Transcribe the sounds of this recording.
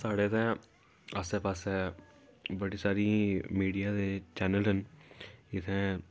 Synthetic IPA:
saːɽeːt̪ɛ̃ː | əsɛːpasɛː | bəɽiːsaːɾiːmiːɖijaːd̪eːt͡ʃɛːnəlɦən | ɪt̪ʰɛ̃ː

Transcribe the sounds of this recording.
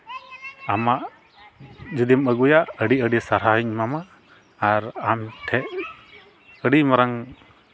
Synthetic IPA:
amaʔ | d͡ʒud̪iməɡujaʔəɖiəɖisaɾɦaɦiɲmamaː | ɾamʈʰɛʔ | əɖimɔɾaŋ

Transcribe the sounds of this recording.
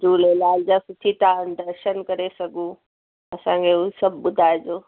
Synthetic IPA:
d͡ʒuːlelaːld͡ʑaːsʊʈʰit̪ʰaːɖ̪ɐɾʃənkɐɾesɐɡʱũ | ɐsãkʰeusɐbʱɓʊd̪ʱaːed͡ʑoː

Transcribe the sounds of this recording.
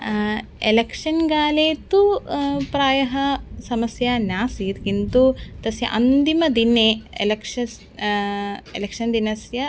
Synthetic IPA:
elekʂɐnɡaːleːt̪upɾaːjɐɦɐsɐmɐsjɐnjaːsiːt̪kint̪ut̪ɐsjɐ̰ʔɐnd̪imɐd̪ineḛlɐkʂɐs | elekʂɐnd̪inɐsjɐ

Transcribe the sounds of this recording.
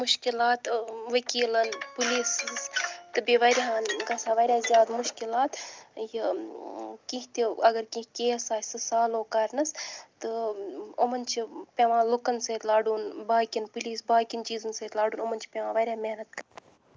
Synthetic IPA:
muʃkilaːt̪ʋɐkiːlɐnpuliːsst̪ɨbiʋɐɾʲɦaːnɡɐsaːʋɐɾʲjaːzijaːd̪muʃkilaːt̪ji | kĩɦt̪iɐɡɐɾkĩɦkʲeːsaːsɨsaːloːkɐɾnɐst̪ɨomɐnt͡ʃʰipʲeʋãːlokɐnsɐt̪laːɖuːnbaːkʲinpuliːsbaːkʲint͡ʃiːzɨnseːt̪ʲlaːɖuːnomɐnʲt͡ʃʰi̥pʲeʋãːʋɐɾʲjaːmehnɐt̪kɐɾ

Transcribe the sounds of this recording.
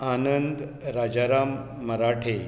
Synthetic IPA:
anənd̪ | ɾad͡ʑaɾamː | əɾaʈʰe

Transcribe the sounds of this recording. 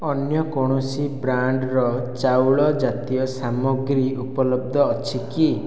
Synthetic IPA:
ɔnjɔkɔɽ̃usibɾaɳɖɾɔt͡ʃawɭɔd͡ʒat̪ijɔsamɔɡɾiupɔlɔb̚d̪ʱɔːt͡ʃʰiki

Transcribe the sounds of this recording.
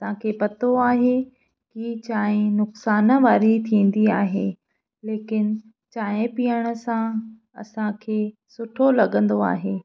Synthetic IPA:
ɐsãkʰeːpɐt̪oaːɦe | kiːt͡ɕaːɦẽnʊksaːnəʋaːɾit̪ʰĩːn̆d̪iaːɦeː | leːkɪn | t͡ɕaːɦɪ̃piːəɽ̃ə̆sã | ɐ̰sãkʰeː | sʊʈʰolɐɠə̃nd̪oa̰ːɦeː

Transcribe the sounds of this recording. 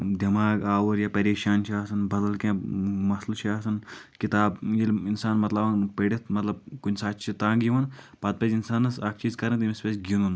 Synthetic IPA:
d̪ɐmaːɡaːwɐɾjaːpɐɾeːʃaːnt͡ʃʰiaːsɐnbɐd̪ɐlkẽːmɐslt͡ʃʰiaːsɐnkit̪aːbjilinsaːnmɐt̪lɐbɐnpeɽit̪̚ʰmɐt̪lɐb̚kunsaːt͡ʃt͡ʃʰit̪ãːɡiʋɐn | pɐt̪̚pɐzinsaːnɐsaːk̚ʰt͡ʃiːzkɐɾɐ̃t̪imispʲesɡinun

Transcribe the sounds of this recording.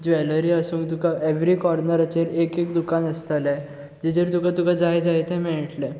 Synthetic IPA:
d͡ʑʋɛləɾiəsũːŋkt̪ukaeʋɾikɔɾnəɾat͡ɕeɾekek̚d̪ukanəst̪alɛ̃ | d͡ʑid͡ʑeɾt̪ukãt̪ukad͡zajd͡zajt̪ɛ̃mɛɭʈlɛ̃

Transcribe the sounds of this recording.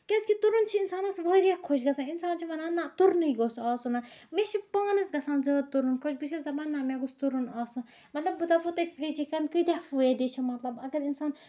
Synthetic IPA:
kʲɛskit̪uɾunt͡ʃʰiinsaːnɐsʋəɾʲjakʰoʃ̬ɡɐsaːninsaːnt͡ʃʰiʋɐnaːnːat̪uɾnɨjɡosɔːsunameʃʰipəːnɐsɡɐsaːnzɐt̪uɾunkot͡ʃʰbiʃ̬ɐszɐbanːamʲeɡust̪uɾunaːsumɐt̪lɐbːud̪afut̪ɐfɾid͡ʒikankɨt̪ʲafuɛd̪et͡ʃʰimɐt̪lɐbɐɡɐɾinsaːn

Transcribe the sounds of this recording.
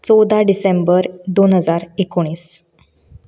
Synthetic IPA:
t͡sɔwd̪ʱaɖisembəɾd̪onɦəd͡zaɾekoɽ̃iːs

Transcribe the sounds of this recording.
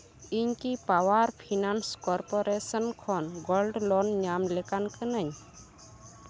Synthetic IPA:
iɲkipawaɾpʰinanskɔɾpɔɾesənkʰɔnɡɔlɖlɔnɲamlɛkankənəɲ

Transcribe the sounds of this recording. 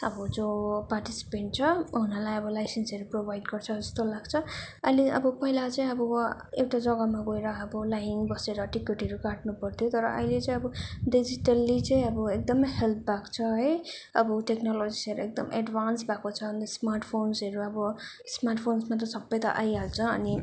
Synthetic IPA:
ʌ̰bʌd͡zoparʈisi̥peɳʈ̚t͡sʰʌɦunalajʌbʌlajsensʌɾuprobʱajɖɡʌrt͡sʰʌd͡zʌst̪olaɡt͡sʰʌ | ʌjleʌ̰bʌpʌɦilat͡saĩʌbʌewʈad͡zʌɡʌmaɡoeɾʌːbʌlajiŋbʌseɾʌʈikeʈɦʌɾukaʈnupʌrt̪ʰjot̪ʌɾʌ̰ʔʌ̰jlet͡sãĩʌbʌɖid͡ziʈʌlːit͡sʌ̃ĩʌbʌek̚d̪ʌmʌjɦelp̚ʰbakt͡sʰʌɦʌjʌbʌʈeknɔlod͡zisʌɾuek̚d̪ʌmḛɖbansbʱakot͡sʰʌʌnt̪ʌsmarʈpʰonsɦʌɾuʌbʌ | smarʈpʰonsmat̪̬ʌsʌbːʌjt̪ʌ̰ʔajɦalt͡sʰʌʌni

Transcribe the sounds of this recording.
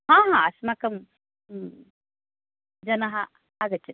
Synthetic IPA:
ɦãːɦãɐsmakɐm | d͡ʒɐnɐɦɐ | aɡɐt͡ʃʰit̪

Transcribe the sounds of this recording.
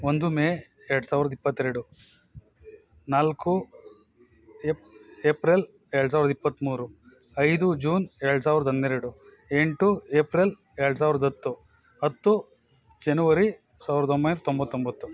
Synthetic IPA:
ond̪umeː | ɛɾɐɽusaːʋɾɐd̪ipːɐt̪ːeɾɽu | naːlku | eeːpɾel | eːɭɽus̬aːiɾɐd̪ɐipːɐt̪ːmuːɾu | ɐjd̪ud͡ʒuːneːɭɽusaːʋiɾɐd̪ɐɐnd̪eɾeɽu | eɳʈueːpɾel | eːɾɽsaːʋiɾɐd̪ɐt̪ːu | ɐt̪ːu | d͡ʒɐnuʋɐɾi | saːʋiɾɐd̪ombɐjnɾɐt̪ombɐt̪ːombɐt̪ːu

